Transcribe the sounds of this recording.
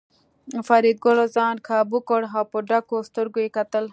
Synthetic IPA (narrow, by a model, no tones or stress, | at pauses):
fɐɾid̪̚ɡolozaːnkʰaːbukoɽɦaːpoɖakost̪oɾɡojkɐt̪əl